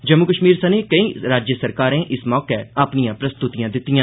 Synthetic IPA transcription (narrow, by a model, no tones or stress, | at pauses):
d͡ʒəmːʊkəʃmiːɾsəneːkəiːɾaːd͡ʒjəsəɾkaːɾẽːʔɪsmɔːkeəpnijãːpɾəst̪ʊt̪ijãːd̪ɪt̪ːijãː